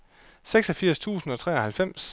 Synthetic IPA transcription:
seɡ̥sɒ̽fiɐ̰st͡sʰṵːsn̩ɒ̽t͡sʰʁɛːɒ̽hælfem̰s

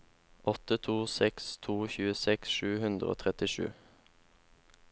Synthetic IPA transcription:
ɔt̪ət̪ʰuːsɛkst̪ʰuːçʉːəsɛksʃʉːhʉnd̪ʁəo̰ːt̪ʰʁɛt̪ɪʃʉ̰ː

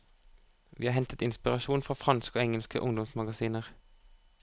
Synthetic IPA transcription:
ʋḭːɑːɦɛnt̪ət̪ɪnspɪʁɑʃuːnfʁɑːfʁɑnskoːɛŋəlskə̰ʔʊŋd̪ɔmsmɑɡɑsiːnəʁ

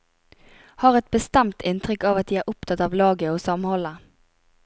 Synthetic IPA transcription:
hɑːʁɛt̪̚bəst̪ɛmt̪ʰɪnt̪ʰʁʏkːɑːʋɑt̪̚d̪iːæːɾʔʊp̚t̪ʰɑt̪ɑːʋlɑːɡəoːsɑmhɔlːə

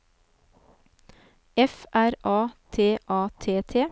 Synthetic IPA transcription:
ɛfʔæɾʔɑːt̪ʰeːʔɑːt̪ʰeːt̪ʰeː

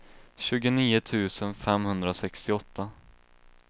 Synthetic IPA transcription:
ɕʉ̟ːɡʊniːʊt̪ʰʉ̟ːsənfɛmhɵnd̪ɾasɛkst̪ɪɔt̪ʰːa

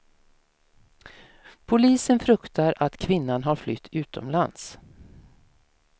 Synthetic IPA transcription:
pʰʊliːsənfɾɵkt̪aɾat̪kʰvɪnːanɦaɾflʏt̪ʰːʉ̟ːt̪ʰɔ̰mla̰ns

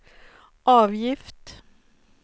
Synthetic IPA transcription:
ʔɑːʋjɪft̪

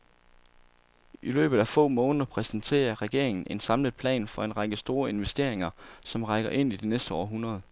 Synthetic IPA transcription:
ʔilø̰ːb̥ð̩ˠæfɔ̰̽ːmɔ̽ːnðˠɐpʰʁɛsən̩t͡sʰe̝̰ːɐʁɛɡ̥e̝ɐeŋn̩ʔe̝nsɑ̈mləð̩ˠpʰlɛ̰ːnfɒ̽e̝nʁɑ̈ɡ̥əsd̥o̝ːɐe̝nʋesd̥e̝ɐe̝ŋɐsɒ̽mʁɑ̈ɡ̥ɐʔe̝n̰id̥enesd̥əɒ̰ːɦunʁɐð̞ˠ

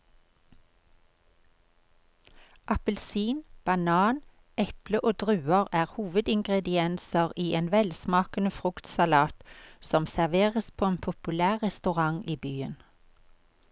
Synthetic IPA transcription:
ʔɑpəlsiːnb̥ɑnɑːn | ɛpləʔoːd̪ʁʉːəʁæːʁhuːʋəd̪ɪŋɡʁɛd̪ɪɛnsəʁiːʔeːnʋɛlsmɑːkənəfʁʉkt̪sɑlɑːt̪sɔmsæʁʋeːʁəspʰoːeːnpʰʊpʉlæːʁʁɛst̪ʉʁɑŋiːbyːən

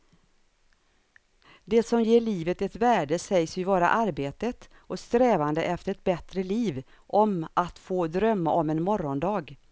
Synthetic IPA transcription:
d̪ɛsɔmjeːɭiːvət̪ɛt̪væːɖəsɛjsʏvɑːɾa̰ʔaɾbeːt̪ət̪ | ɔst̪ɾɛːvand̪əʔɛft̪əɾɛt̪̚bɛt̪ɾəliːv | ʔɔmat̪foːd̪ɾœmːa̰ʔɔmɛnmɔɾɔnd̪ɑːɡ

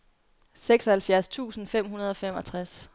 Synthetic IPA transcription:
seɡ̥sɒhælfjæɐst͡sʰṵːsn̩fem̰ɦunɐð̞ˠɒ̽fem̰ɒ̽t͡sʰʁas

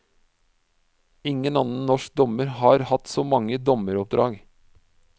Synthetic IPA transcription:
ɪŋənɑnn̩nɔʃk̚d̪ɔməɾhɑːɾhɑt̪soːmɑŋəd̪ɔməɾɔp̚d̪ɾɑ̰ːɡ

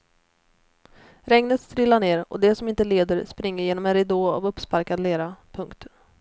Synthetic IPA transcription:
ɾɛŋnət̪st̪ɾɪlːaɳeːɾɔ̰d̪ɛsɔmɪnt̪əleːd̪əɾspɾɪŋːəɾjeːnɔmɛnɾɛd̪oːa̰vɵpspaɾkad̪leːɾapʰɵŋkt̪

